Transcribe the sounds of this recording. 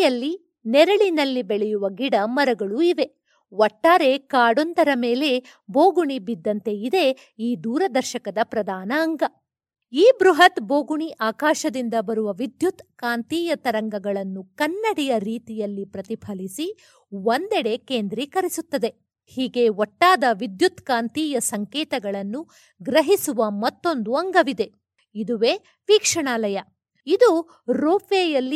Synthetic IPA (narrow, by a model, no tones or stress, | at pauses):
jɐlːi | nɛɾɐɭinɐlːibeɭɛjuʋɐɡiɽɐmɐɾɐɡɐɭuiʋe̞ | wɔʈːaːɾe̞kaːɽond̪ɐɾɐme̞ːle̞ | boːɡuɳibid̪ːɐnt̪e̞id̪e̞ | iːd̪uːɾɐd̪ɐɾʃɐkɐd̪ɐpɾɐd̪aːnɐːŋɡɐ | iːbɾuɦɐt̪bo̞ːɡuɳiʔaːkaːʃɐd̪ind̪ɐbɐɾuʋɐʋid̪jut̪kaːnt̪iːjɐt̪ɐɾɐŋɡɐɡɐɭɐnːukɐnːɐɽijɐɾiːt̪ijɐlːipɾɐt̪ipʰɐlisi | wond̪ɛɽe̞keːnd̪ɾikɐɾisut̪ːɐd̪e̞ | hiːɡe̞ɔʈːaːd̪ɐʋid̪jut̪kaːnt̪iːjɐsɐŋkɛːt̪ɐɡɐɭɐnːu | ɡɾɐɦisuʋɐmɐt̪ːo̞nd̪uɐŋɡɐʋid̪e̞ | id̪uʋe̞ː | ʋiːkʂɐɳaːlɐjɐ | id̪u | ɾoːpeːjɐlːi